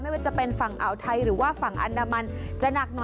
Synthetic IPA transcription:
ma˥˩waː˥˩t͡ɕa˨˩pe˧nfa˨˩ŋʔa˨˩wt̪ʰa˧jɾɯː˩˦waː˥˩fa˨˩ŋʔa̰˧ndaː˧ma˧nt͡ɕa˧na˨˩k̚nɔː˨˦

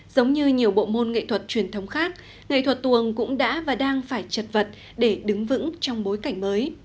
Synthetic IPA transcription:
z̥ə˨˦wŋ͡mɲɨ˧ɲi˨˩əwɓo̰˧˨mo˧nŋḭ˧˨t̪ʰwə˨˩t̚t͡ɕwi˨˩ənt̪ʰə˨˦wŋ͡mxaː˦˥k̚ | ŋḭ˧˨t̪ʰwə˨˩t̚t̪wəŋkʊ̰˧˥ŋ͡mɗa̰ː˧˥vaː˨˩ɗaː˧ŋfaː˧˩jt͡ɕə˨˩t̚və˨˩t̚ | ɗe˧˩ɗɨ˨˦ŋvɨ̰˧˥ŋt͡ɕɔ˧wŋ͡mɓo˨˦jka˧˩jŋ̟məː˨˦j

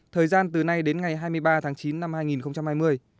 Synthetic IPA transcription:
t̪ʰəː˨˩jzaː˧nt̪ɨ˨˩na˧jɗe˨˦nŋa˨˩jɦaː˧jmɨ˧əjɓaː˧t̪ʰaː˨˦ŋt͡ɕi˨˦nːa˧mhaː˧jŋi˨˩nxə˧wŋ͡mt͡ɕa˧mhaː˧jmɨ˧əj

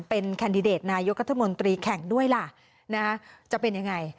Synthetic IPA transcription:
pe˧nkʰaː˧ndi˧deː˨˩t̪̚naː˧jo˦˥k̚ɾa˥t̪ʰːa˧mo˧nt̪ɾiː˧kʰɛ˨˩˦ŋdu˥˩əjla˨˩ | na˦˥t͡ɕa˨˩pe˧nja˧ŋa˧j

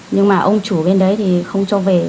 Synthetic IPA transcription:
ɲɨ˧ŋmaː˨˩ʔə˧wŋ͡mt͡ɕu˧˩ɓe˧nɗə˨˦jt̪ʰi˨˩xə˧wŋ͡mt͡ɕɔ˨˦ve˨˩

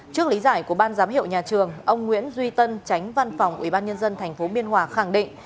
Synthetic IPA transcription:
t͡ɕɨ˦˥ək̚li˨˦zaː˧˩jku˧˩əɓaː˧nzaː˨˦mɦḭ˧˨əwɲaː˨˩t͡ɕɨ˨˩əŋʔə˧wŋ͡mŋwḭ˧˥ənzwi˧t̪ə˧nt͡ɕa˨˦jŋ̟va˧nfɔ˨˩wŋ͡mʔwḭ˧˩ɓaː˧nɲə˧nzə˧nt̪ʰɛ˨˩jŋ̟fo˨˦ɓi˧ənɦwaː˨˩xa˧˩ŋɗḭ˧˨ŋ

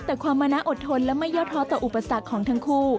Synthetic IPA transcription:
t̪ɛː˨˩kʰwaː˧mːaː˧na˦˥ʔo˨˩t̪ʰo˧nlɛː˦˥ma˥˩jɔː˥˩t̪ʰɔː˦˥t̪ɔː˨˩ʔu˨˩pːa˧sa˨˩kkʰːɔː˩˦ŋt̪ʰa˦˥ŋkʰuː˥˩

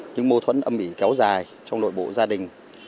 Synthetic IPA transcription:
ɲɨ̰˧˥ŋmo˧t̪ʰwə̰˧˥nʔə˧mʔi˧˩kɛ˨˦wzaː˨˩j | t͡ɕɔ˧wŋ͡mɗo̰˧˨jɓo̰˧˨zaː˧ɗï˨˩ŋ̟

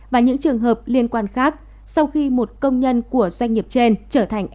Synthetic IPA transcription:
vaː˨˩ɲɨ̰˧˥ŋt͡ɕɨ˨˩əŋɦəː˨˩p̚li˧ənkwaː˧nxaː˦˥k̚ | sa˧wxi˧mo˨˩t̚kə˧wŋ͡mɲə˧nku˧˩əzwa˧jŋ̟ːi˨˩əp̚t͡ɕe˧nt͡ɕəː˧˩t̪ʰa˨˩ŋ̟ʔ

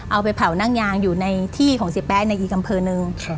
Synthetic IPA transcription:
ʔa˧wpa˧jpʰa˩˦wna˥˩ŋjaː˧ŋjuː˨˩na˧jt̪ʰiː˥˩kʰɔː˩˦ŋsi˨˩pːɛː˦˥na˧jʔiː˨˩k̚ʔa˧mpʰɤː˧nɯ˧ŋ

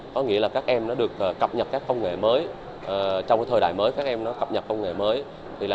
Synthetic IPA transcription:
kɔ˨˦ŋḭ˧˥əlaː˨˩kaː˦˥k̚ʔɛ˧mnɔ˨˦ɗɨ˨˩ək̚ʔːkːə˨˩p̚ɲə˨˩t̚kaː˦˥kːə˧wŋ͡mŋḛ˧˩məː˨˦j | ʔəː˨˩t͡ɕɔ˧wŋ͡mkːjt̪ʰəː˧˩ɗa̰ː˧˨jməː˨˦jkaː˦˥k̚ʔɛ˧mnɔ˨˦kə˨˩p̚ɲə˨˩t̚kə˧wŋ͡mŋḛ˧˩məː˨˦j | t̪ʰi˨˩laː˨

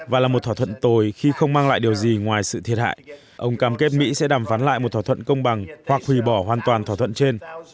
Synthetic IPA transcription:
vaː˨˩laː˨˩mo˨˩t̪̚ʰa˧˩t̪ʰwə˧˨nt̪o˨˩jxi˧xə˧wŋ͡mmaː˧ŋla̰ː˧˨jɗi˨˩əwzi˨˩ŋwaː˨˩jsɨ̰˧˨t̪ʰi˨˩ət̚ɦa̰ː˧˨j | ʔə˧wŋ͡mkaː˧˩mke˦˥t̚mḭ˧˥sɛ̰˧˥ɗaː˨˩mfaː˨˦nla̰ː˧˨jm˨˩t̪ʰa˧˩t̪ʰə̰˧˨nkə˧wŋ͡mɓa˨˩ŋhwa˨˩k̚hwi˨˩ɓɔ˧˩ɦwaː˨˩nt̪waː˨˩nt̪ʰaː˧˩t̪ʰə̰˧˨nt͡ɕe˧n

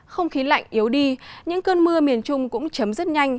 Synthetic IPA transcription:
xə˧wŋ͡mxi˨˦la̰˧˨jŋ̟ʔi˨˦əwɗi˧ɲɨ̰˧˥ŋkəː˧nmɨ˧əmi˨˩ənt͡ɕʊ˧ŋ͡mkʊ̰˧˥ŋ͡mt͡ɕə˨˦mzə˦˥t̚ɲa˧jŋ̟

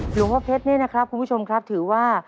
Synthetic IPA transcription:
ɾɯː˨˦waː˥˩pʰe˦˥t̪̚ni˥˩na˦˥kʰɾa˦˥p̚ʰu˧bʰu˥˩o˧mkʰɾa˦˥p̚t̪ʰɯː˩˦waː˥˩

